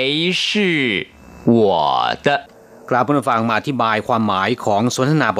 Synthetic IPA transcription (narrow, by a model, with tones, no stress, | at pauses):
ʂ̩˥˩ | wɔ˨˩d̪̥ə˦ | klaː˧˩wpʰuː˥˩˨fa˨˩ŋmaː˧ʔa˧t̪ʰi˦˥˩baː˧jkʰwaː˧mːaː˩˦jkʰɔː˩˦˥ŋso˨˦nt̪ʰa˧naː˧˥bɔ˨